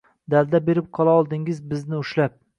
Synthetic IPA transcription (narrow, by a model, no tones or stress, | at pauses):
d̪ald̪abeɾɪp̚qʰɒlˠaɒlˠd̪ɪŋɪzbɪznɪʊʃlap̚